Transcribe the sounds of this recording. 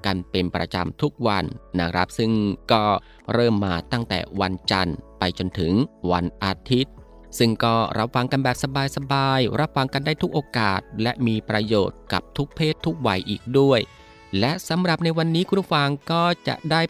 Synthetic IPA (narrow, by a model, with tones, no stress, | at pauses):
ka˧npe˧npɾa̰˧t͡ɕa̰˧mt̪ʰu˦˥k̚wa˧nːa˦˥kʰɾa˦˥p̚sɯ˥˩ŋkɔː˥˩ | ɾɤː˥˩mːaː˧t̪a˥˩ŋt̪ɛ̰ː˨˩wa˧nt͡ɕa̰˧npa˧jt͡ɕo˧nt̪ʰɯ˩˦ŋwa˧nʔa˧t̪ʰi˦˥t̪̚ | sɯ˥˩ŋkɔː˥˩ɾʔa˦˥p̚wa˧ŋka˧nbɛː˨˩p̚sa˧baː˧jsa˧baː˧jɾa˦˥p̚wa˧ŋka˧ndaː˥˩jt̪ʰu˦˥k̚ʔoː˧kaː˨˩t̪̚lɛ˦˥ʔmiː˧pɾa˧joː˨˩t̪̚ka̰˨˩p̚t̪ʰu˦˥k̚pʰeː˥˩t̪ʰːu˦˥k̚wa˧jʔiː˨˩k̚du˥˩əj | lɛ˦˥ʔsa˨˦mɾa˨˩p̚na˧jwa˧nːiː˦˥kʰu˧n˥˩fa˧ŋkɔː˥˩t͡ɕa̰˨˩ʔdaː˥˩j